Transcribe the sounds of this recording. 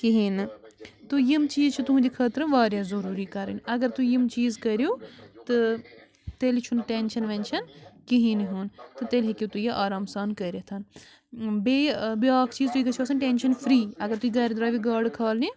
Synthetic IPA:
kiɦinɨt̪ujimt͡ʃiːzt͡ʃʰit̪uɦd͡ʒikʰɐːt̪ɾɨʋaːɾjaːzɐɾuːɾikɐɾḭnʲɐɡɐɾt̪ujimt͡ʃiːzkɐɾjoːt̪ɨ | t̪elit͡ʃʰunʈenʃɐnʋent͡ʃʰɐnkiɦĩniɦunt̪ɨt̪elɦekit̪ujɐʔaːɾaːmsaːnkɐɾet̪ʰɐn | beːbiaːkʰt͡ʃiːzt̪uikɐt͡ʃʰɐːsɐnʈeːnʃɐnfʰɾiːɐɡɐɾt̪uiɡɐːɾid̪ɾaːʋiɡaːɖkʰaːlni

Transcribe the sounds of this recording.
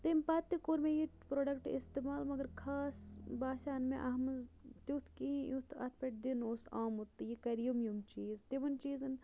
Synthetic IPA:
t̪empaːt̪ːikoːɾmẽjipɾoːɖɐkʈḭst̪emaːlmɐɡɐɾkʰaːsbaːsʲaːnmẽʔɐɦmɨzt̪ut̪ʰkĩjut̪ʰɐ̰t̪ʰpʲeʈd̪inoːsaːmut̪ːɨjikɐɾjumjumt͡ʃiːzt̪iʋɐnt͡ʃiːzɨn

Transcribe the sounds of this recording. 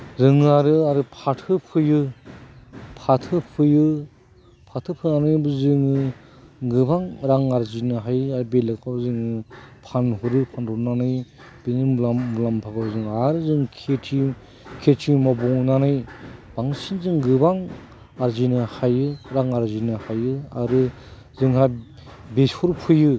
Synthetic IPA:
zɯŋaɾɯaɾɯpʰatʰɯpʰɯjɯ | pʰatʰɯpʰɯjɯ | pʰatʰɯpʰɯnanɯjbɯzɯŋɯ | ɡɯbaŋɾaŋaɾzinɯɦajaɾbelɯkʰabzɯŋɯpʰanhuɾɯpʰanɾuɾnanɯj | b̥inɯaulampʰaɡɯbɯzɯŋaɾzɯŋkʰetʰi | kʰetʰimɔbɔŋnanɯjb̥aŋsinzɯŋɡɯbaŋ | aɾzinɯhajɯɾaŋaɾzinɯhajɯa̰ɾɯ | zɯŋha | besuɾpʰɯjɯ

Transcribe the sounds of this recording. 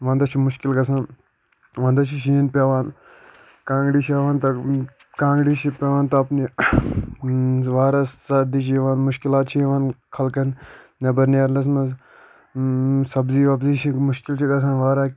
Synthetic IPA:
ʋɐ̃ːnd̪ɐt͡ʃʰimʊʃkilɡɐsan | ʋãːnd̪ɐt͡ʃʰiʃiːnpʲeʋaːn | kãːŋɡɽiːt͡ʃʰiɐʋaːnt̪ɐ | kãːŋɡɽiːt͡ʃʰipʲɐʋaːnt̪ɐɐpni | ʋaːɾasɐd̪iːt͡ʃʰiʋanmʊʃkilaːt̪̚t͡ʃʰiʋaːnkʰɐlkɐn | nɐbɐɾneːɾlɐs̬mɐ | sɐbziːʋaːpziːt͡ʃʰimʊʃkilt͡ʃʰiɡɐs̬aːnʋaːɾaː

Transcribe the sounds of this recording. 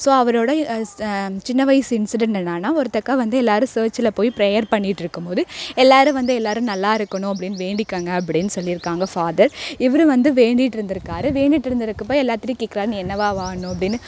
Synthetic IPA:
soːɐʋɐɾoːɽɐ | t͡ʃɪnːɐʋɐɪsɪnsɪɖɛɳɛnːaːnaːɔɾɯt̪ɐkːaːʋɐnd̪ɯɛlːaːɾɯ̃seːɾt͡ʃɪlɐpoːjpɾejɐɾpɐɳːɪʈːɪɾɯkːɯmpoːðɯɛlːaːɾɯ̃ʋɐnd̪ɯɛlːaːɾɯ̃nɐlːaːɪɾɯkːɐɳʊ̃ɐp̬ːɐɽɪnːɯʋeːɳɖɪkːaːŋɡɐːp̬ːɐɽɪnːɯsɔlːɪɾɯkːaːŋɡɐfaːðɐɾɪʋɐɾɯ̃ʋɐnd̪ɯʋeːɳɖɪʈːɪɾɯnd̪ɪɾɯkːaːɾɯʋeːɳɖɪʈːɪɾɯnd̪ɪɾɯkːɯpːoːɛlːaːt̪ːɪɾikːikːɪɾaːɾniɛnːɐʋaːʋaːɳːʊ̃ɐp̬ːɐɽɪnːɯ

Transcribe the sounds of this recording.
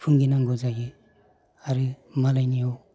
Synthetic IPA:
pʰuŋɡinaŋɡozaɡi | aɾɯmalajniɔw

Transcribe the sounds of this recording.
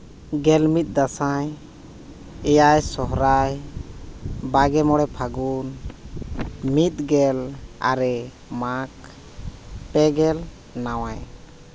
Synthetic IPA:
ɡɛlmit̪̚ˀd̪asaj | ɛjajsɔɦɾaj | baɡɛmɔɽɛpʰaɡun | mit̪̚ˀɡɛla̰ɾɛ | mak | pɛɡɛl | nawaj

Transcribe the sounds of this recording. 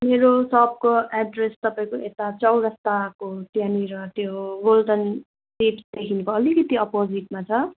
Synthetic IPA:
meɾosʌb̚koaɖrest̪ʌpaĩkoet̪at͡sʌwɾʌst̪akot̪janiɾʌt̪jobolʈʌn | siʈsd̪ekʰinekoʌlikʌt̪iʌpod͡ziʈmat͡sʰʌ

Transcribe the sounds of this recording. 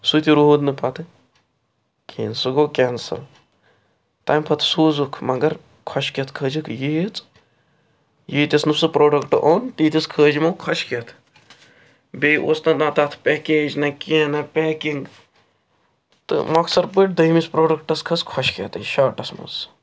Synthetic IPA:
sut̪iɾuɦud̪nɨpɐt̪ʰɨ | kʰḭːnsɨɡoːkʲɛːnsɐ̰l | t̪ɐːjmpʰɐt̪ʰsuːzukʰmɐɡɐɾ | kʰɐʃkɐt̪ʰkʰəːd͡ʒɨkʰjit͡s | jiːt̪ʲisnɨsɨpɾoːɖɐkʈɨʔoːnt̪iːt̪ʲiskʰəːd͡ʒmɐːkʰɐʃket̪ʰ | bʲejʔo̰ːsnɐnat̪aːt̪ʰpʲɛːkeːd͡ʒnɐkinɐpʲɛːkiŋɡ | t̪ɨ̰mɐksɐɾpɨʈ̚d̪ɐjmispɾoːɖɐkʈɐskʰɐskʰɔʃkḛt̪ɨʃaːʈɐsmṵz

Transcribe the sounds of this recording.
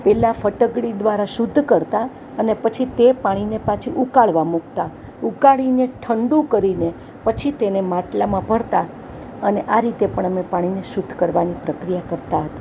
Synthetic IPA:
pɛlafəʈəɡɽid̪ʋaɾaʃʊd̪ʱːkəɾt̪a | ənepət͡ʃʰit̪epaɽ̃inepat͡ʃʰiʔukaɭʋamuk̚t̪a | ukaɭineʈʰəɳɖũkəɾine | pət͡ʃʰit̪enemãʈlamãbʱəɾt̪a | əneʔaɾit̪epəɳ̃əmepaɽ̃ineʃud̪ʱːkəɾʋanipɾəkɾijakəɾt̪aɦət̪a

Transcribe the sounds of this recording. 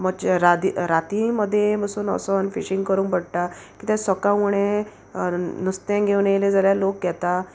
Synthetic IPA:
məɡt͡ɕɾad̪iɾat̪iməd̪ʱːjeməsuːnɔ̰sənfiɕĩŋɡkəɾũːŋpəɽʈakit̪ɛ̃səkauɳẽ | nust̪ɛ̃ɡʱeʋɳeled͡zəɾjalok̚ɡɛt̪a

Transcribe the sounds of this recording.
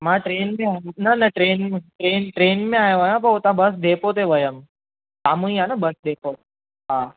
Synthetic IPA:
mãʈɾeːnmẽajnɐnɐʈɾeːnmẽʈɾeːnʈɾeːnmẽaːjãʋəjãp̬ɐot̪ãbəs̬d̪epot̪eʋəjəm | samũĩanabəsd̪epo | ɦã

